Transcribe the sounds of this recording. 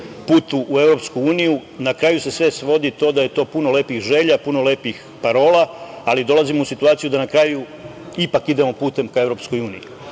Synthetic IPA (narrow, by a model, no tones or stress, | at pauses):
puːt̪uʔːe̞vɾo̞pskuuːnijunakɾaːjusesʋe̞sʋo̞d̪it̪o̞ːd̪aje̞t̪o̞ːpuno̞le̞ːpixʒe̞ːʎapuno̞le̞ːpix | paɾo̞ːlaːlid̪o̞lazimousit̪uaːt̪ijud̪anakɾaːju | ipakid̪e̞mo̞puːt̪e̞mkae̞vɾo̞psko̞juːnḭji